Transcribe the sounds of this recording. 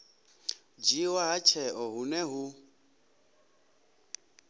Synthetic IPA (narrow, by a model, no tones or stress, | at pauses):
d͡ʒiwaɦat͡ʃʰɛʔɔɦunɛɦu